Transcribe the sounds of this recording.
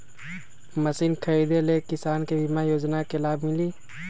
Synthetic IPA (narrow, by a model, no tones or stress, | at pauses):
məsiːnkʰəiːd̪elekɪsaːnkebʱimajoːd͡ʒnakelaːbmɪliː